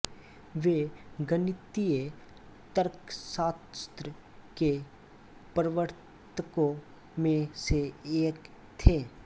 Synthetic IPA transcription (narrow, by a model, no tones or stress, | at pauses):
ʋeɡənɪt̪ie | t̪əɾksaːst̪ɾə | ke | pəɾəʋəɾ | t̪ʰəkõ | mẽseeːk | t̪ʰeː